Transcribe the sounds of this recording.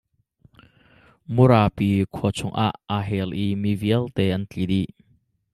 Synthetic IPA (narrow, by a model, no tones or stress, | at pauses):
muɾaːpikʰɔt͡sʰʊŋʔa̰ʔaːɦɛlʔimiviəlt̪ɛːʔɐnt͡ɬidi